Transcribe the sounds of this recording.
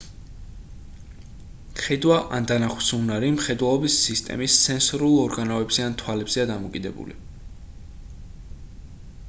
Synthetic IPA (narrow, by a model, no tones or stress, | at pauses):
χɛd̪waʔand̪anaχwsunaɾimχɛd̪walˠɔbisːist̪ʼɛ̰mist̪sʰɛnsɾulˠɔɾɡanɔɛbz̥ɛant̪ʰwalɛbz̥ɛad̪amɔkʼid̪ɛbṵlḭ